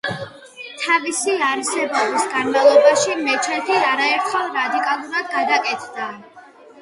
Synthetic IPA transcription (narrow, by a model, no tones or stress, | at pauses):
t̪ʰavisiaɾsɛbavisɡanmalˠɔbaʃimɛt͡ʃʰɛt̪ʰiaɾaɛɾt̪χɛlˠɾad̪ikʼalˠuɾad̪ɡad̪akʼɛt̪ʰd̪a